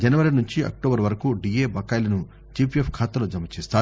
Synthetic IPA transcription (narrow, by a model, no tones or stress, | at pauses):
d͡ʒɐnɐʋɐɾinuɲt͡ʃiɐ̰k̚ʈoːbɐɾʋɐɾɐkuːɖieːbɐkɐːjlɐnu | t͡ʃipiepʰkʰaːt̪ɐloːd͡ʒɐmɐt͡ʃeːst̪aːu